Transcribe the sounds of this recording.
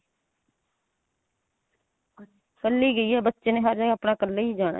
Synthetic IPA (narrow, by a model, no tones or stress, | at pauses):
kəlːiːɡəiːɛːbətːʃeːneːɦəɾd͡ʒəɡaːpɳaːkəlːeːiːd͡ʒaːɽa̰ː